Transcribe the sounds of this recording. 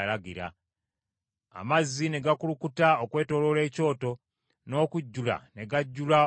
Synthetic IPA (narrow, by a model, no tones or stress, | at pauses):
laɡiɾa̰ | a̰mazːine̞ɡakulukutaokwe̞ːto̞ːlo̞le̞ːco̞ːto̞ | no̞ːkuɟːula̰ne̞ɡaɟːula